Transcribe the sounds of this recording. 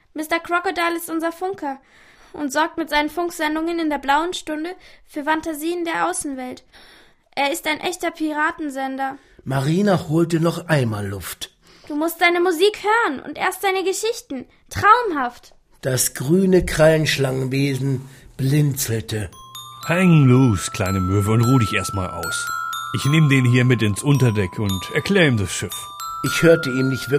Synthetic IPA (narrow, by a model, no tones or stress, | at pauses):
mɪstɐkʁ̥ɔkodaːlɪstʔʊnzɐfʊŋkʰɐ | ʔʊntz̥ɔɐk̚tmɪtz̥aɪnənfʊŋkz̥ɛndʊŋənɪndeːɐblaʊənʃtʊndəfyːɐfantaziːəndeːɐʔaʊsn̩vɛlt | ʔeːɐɪstaɪnʔɛçtɐpʰiʁaːtn̩zɛndɐ | maʁiːnahoːltənɔχʔaɪnmaːlːʊft | d̥uːmʊst̚d̥aɪnəmuziːkhøːʁənʔʊ̰ntʔḛːɐst̚d̥aɪnəɡəʃɪçtn̩ | tʁ̥aʊmɦaft | d̥asɡ̥ʁyːnəkʁ̥alnʃlaŋənveːzn̩b̥lɪnt͡sl̩təhɛŋluːskʰl̥a̰ɪnəmøːvl̩ʊntʁuːdɪçʔḛːɐstma̰ːlʔa̰ʊsʔɪçnɪːmədeːnhiːɐmɪtɪnsʔʊntɐdɛkʰʊntɛɐkʰl̥ɛːʁəiːmdasʃɪf | ʔɪçhøːɐtəiːmnɪçtv̥ɪɐ